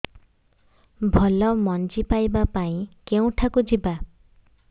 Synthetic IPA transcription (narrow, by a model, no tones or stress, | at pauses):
bʱɔlɔmɔnd͡ʒipajbapaĩkeũʈʰakud͡ʒiba